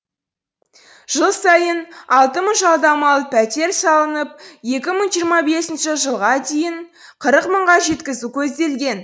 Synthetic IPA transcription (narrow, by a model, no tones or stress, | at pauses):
ʒ̥əlˠsɑjənɑlˠt̪əməʒɑlˠd̪ɑmɑlˠpʰæt̪e̞ɾsɑlˠənəp̚je̞kʲɪməɴʒijəɾmɑbe̞sɪnʃɪʒəlˠʁɑt̪ʰe̞jɪɴ | qʰəɾəqməɴʁɑʒe̞t̪kʲɪzukʲʰɵzd̪e̞lɡʲe̞n